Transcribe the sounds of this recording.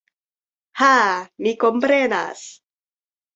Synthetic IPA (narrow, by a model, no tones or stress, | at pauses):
hamikompɾena̰s